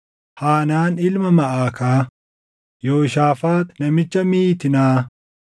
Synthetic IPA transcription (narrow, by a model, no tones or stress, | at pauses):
haːnaːnɪlmɐmɐʔaːkaː | joːʃaːfaːt̪nɐmɪt͡ʃːɐmiːt̪ɪnaː